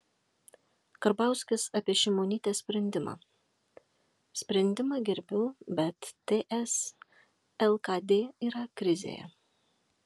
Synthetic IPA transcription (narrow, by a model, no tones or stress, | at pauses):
kɐɾbɑˑʊsʲkʲɪsɐpʲiɛʃʲɪmoːnʲiːt̪ʲeːsʲpʲɾʲɛnʲd̪ʲɪmɑ̰ː | sʲpʲɾʲɛnʲd̪ʲɪmɑːɡʲɛɾʲbʲʊːbʲɛt̪ːʲeːʔɛs | ɛlˠkɐd̪ʲeːiːɾɐkɾʲɪzʲḛːjɛ̰